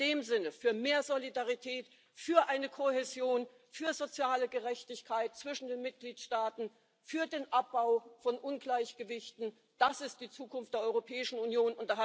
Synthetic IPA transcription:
deːmzɪnəfyːɐmeːɐzolidaʁitʰɛːt | fyːɐʔaɪnəkʰohezjoːn | fyːɐzot͡sjaːləɡəʁɛçtɪçkʰaɪt̚t͡sv̥ɪʃn̩deːnmɪt̚ɡ̥liːtʃtaːtn̩ | fyːɐdeːnʔap̚b̥aʊfɔnʔʊnɡlaɪçɡ̥əvɪçtn̩ | d̥asɪstd̥iːt͡suːkʊnftd̥eːɐʔɔʏʁopʰɛːɪʃn̩unjoːnʊntɐha

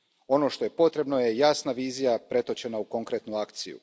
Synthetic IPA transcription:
o̞no̞ʃt̪o̞je̞po̞t̪ɾe̞bno̞je̞jasnaʋiːzijapɾe̞t̪o̞t͡ɕe̞nauko̞ŋkɾe̞t̪nuakt̪sijṵ

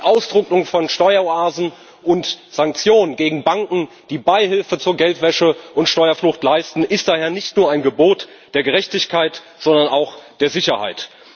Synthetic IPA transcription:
ʔaʊsd̥ʁʊkʊŋfɔnʃtɔʏɐoaːzn̩ | ʔʊntz̥aŋk̚t͡sjoːnənɡeːɡŋ̩baŋkŋ̩ | d̥iːbaɪɦɪlfət͡suːɐɡɛltv̥ɛʃəʔʊntʃtɔʏɐflʊxtlaɪstn̩ʔɪstd̥aːheːɐnɪçtnuːɐaɪnɡəboːt | d̥eːɐɡəʁɛçtɪçkʰaɪt | z̥ɔndɐnaʊxd̥eːɐzɪçɐha̰ɪt

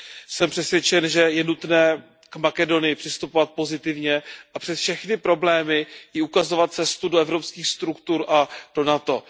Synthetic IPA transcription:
sɛmpr̝̥ɛsvjɛt͡ʃɛnʒɛjɛnut̪nɛː | kmakɛdo̞nɪjɪpr̥ɪst̪upovat̪̚po̞zɪt̪ɪvɲɛʔapr̝̥ɛsfʃɛxnɪpɾo̞blɛːmɪjɪukazo̞vat̪̚t͡sɛst̪udoɛvɾopskiːxst̪ɾukt̪uɾʔad̥o̞nat̪o̞

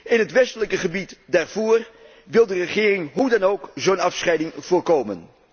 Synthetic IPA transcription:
ɪnɦətʋɛstələkəχəbitdaːɹvoːr | ʋɪlˠdərəχɪːrɪŋɦudɑnowkzownɑfsχɛjdɪŋv̥ʊːɹkowmən

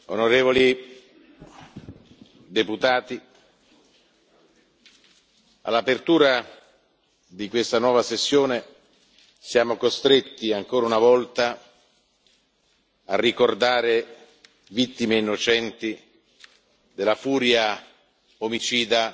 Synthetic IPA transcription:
o̰noɾeːvoli | d̪eput̪aːt̪i | a̰lːapert̪uːɾa | d̪ikwest̪anwɔːvasesːjoːne | sjaːmokost̪ɾet̪ːiaŋkoːɾaunavɔlt̪a | arːikord̪aːɾe | vit̪ːimeinːot͡ʃɛnt̪i | d̪elːafuːɾja | omit͡ʃiːd̪a

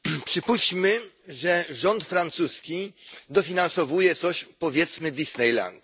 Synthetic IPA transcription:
pʂɘpuɕt͡ɕmɘ | ʐɛʐɔnt̪fɾant̪suskʲid̪ɔfʲinansɔvujɛt̪sɔɕpɔvʲjɛt̪smɘd̪ʲisnɛjla̰nd̪

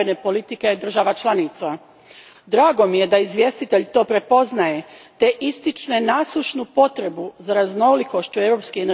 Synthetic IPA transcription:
ene̞po̞lit̪ike̞d̪r̩ʒaʋat͡ʃlˠanit̪sa | d̪ɾaːɡo̞mije̞d̪aizʋʲje̞st̪it̪e̞ʎt̪o̞ːpɾe̞po̞znaje̞t̪e̞ʔist̪it͡ʃnenasˠuʃnupo̞t̪ɾe̞buzaɾazno̞liko̞ʃt͡ɕue̞ʋɾo̞pskien

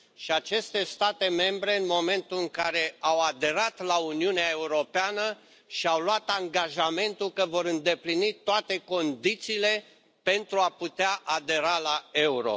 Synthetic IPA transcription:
ʃiat͡ʃe̞st̪e̞st̪at̪e̞me̞mbɾe̞ɨnmo̞me̞nt̪ulɨŋkaɾe̞awad̪e̞ɾat̪launiuneae̞uɾo̞peanə | ʃiawloat̪aŋɡaʒame̞nt̪ukəvo̞ɾɨnd̪e̞plinit̪oat̪e̞ko̞nd̪it̪siːle̞ | pe̞nt̪ɾuaput̪eaʔad̪e̞ɾalae̞uɾo̞̰

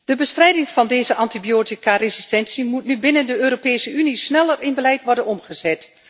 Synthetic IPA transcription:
d̥əbəstrɛjdɪŋv̥ɑndejzəʔɑntibijoːtikarezistɛnsimutnybɪnəndəøːɾopeːsəynisnɛlərɪnbəlɛjtʋɔɹdənɔmχəzɛt

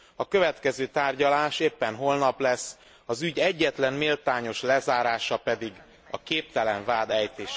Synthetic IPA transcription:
ɒkø̞vɛt̪kɛzøːt̪aːrɟɒlaːʃeːpːɛnɦo̞lnɒplɛsː | ɒzyɟɛɟːɛt̪lɛnmilt̪aːɲo̞ʃlɛzaːɾaːʃɒpɛd̪iɡ | ɒ̰keːp̚t̪ɛlɛɱvaːd̪ɛjt̪eːʃ

